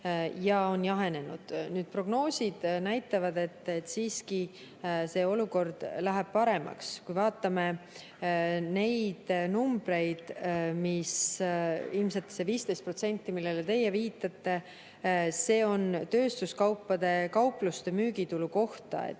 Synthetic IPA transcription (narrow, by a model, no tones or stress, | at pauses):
jɑo̞njɑɦe̞ne̞nṵd̪̥nyːd̪̥̚pro̞ɡ̥no̞ːsʲid̪̥næjt̪ːˑɑvɑd̪e̞t̪ːet̪ːsiːski | se̞ːo̞luko̞rd̪̥læɦɛb̥̚pɑɾe̞mɑ̰kskujvɑːt̪ːˑɑme̞ | ne̞jd̪̥numbre̞jd̪̥mis | ilmset̪ːˑse̞viːst̪e̞jst̪̚pro̞t̪se̞nʲt̪ːimilːe̞let̪e̞jːeviːt̪ːˑɑt̪ːe̞ | se̞ːo̞nt̪ø̞ːst̪uskɑwpːɑd̪̥e̞kɑwplust̪e̞myːɡit̪uluko̞ht̪ɑ̰ḛt̪ː